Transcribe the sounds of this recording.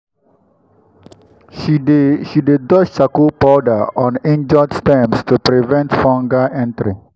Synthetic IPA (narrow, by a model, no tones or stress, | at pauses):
ʃideʃidedɔʃakupɔdəɔ̃nẽnd͡ʒɔtstɛ̃mstupɾivɛ̃ntfɔ̃ŋɡaɛ̃ntɾi